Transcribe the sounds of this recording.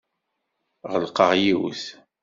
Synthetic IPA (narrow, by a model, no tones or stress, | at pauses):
ʁəlqəʁjiwθ